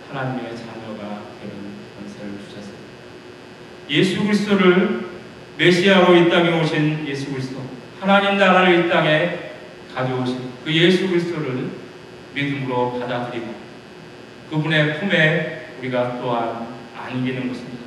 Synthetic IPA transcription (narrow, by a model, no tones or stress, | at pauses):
hanaɲime̞t͡ɕaɲʌɡateɾɯnkʌnsʰeɾɯɭt͡ɕu̥ɕʰʌsʰʌ̥ | je̞sʰuɡɯɾis̬ʰt͈oɾɯɭ | me̞ɕʰiɦaɾoit͈aŋe̞oɕʰinje̞sʰuɡɯɾisʰt͈o | hanaɲimnaɾaɾeit͈aŋe̞ | kad͡ʑooɕʰidkɯje̞sʰuɡɯɾisʰt͈oɾɯɭ | midɯmɯɾokadadɯɾida | kɯbune̞pʰume̞uɾiɡat͈oɦan | a̰ɲiɡenɯnɡʌɕʰimɲida